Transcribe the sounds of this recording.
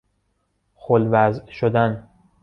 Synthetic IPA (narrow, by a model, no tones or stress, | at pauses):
xolvæzʃod̪æn